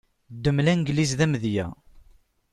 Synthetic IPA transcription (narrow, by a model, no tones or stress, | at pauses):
d̪ːəmlænɡlizðæmðjæ̰